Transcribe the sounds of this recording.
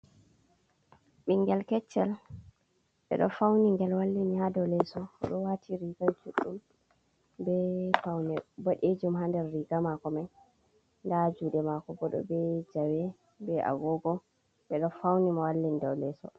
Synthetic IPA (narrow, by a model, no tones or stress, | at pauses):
ɓiŋɡɛlkɛt͡ʃːɛl | ɓɛ̰ɗɔ̰fawniŋɡɛlwalːinihadɔwlɛsɔɔ̰ɗɔwatʰiɾiɡalt͡ʃuɗːum | bɛfawnɛboɗed͡ʒumhandɛɾːiɡamakɔmaj | ndad͡ʒuːɗɛmakɔbɔɗɔ̰bɛd͡ʒawɛ | bɛʔa̰ɡɔɡɔ | ɓɛɗɔfawnimawalːinidɔwlɛsɔ̰